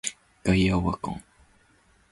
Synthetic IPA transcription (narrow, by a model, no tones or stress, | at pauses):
kajawakõ̰ŋ